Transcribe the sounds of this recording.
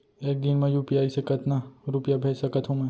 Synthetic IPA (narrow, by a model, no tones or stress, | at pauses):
eːk̚d̪inmẽjuːpjaːisekət̪naɾʊpjabʱeːt͡ʃsɐkət̪ʰũmẽ